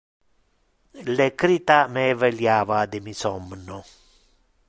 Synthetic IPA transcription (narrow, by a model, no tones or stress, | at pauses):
lekɾit̪ameveljaːvad̪ɪmisɔmnɔ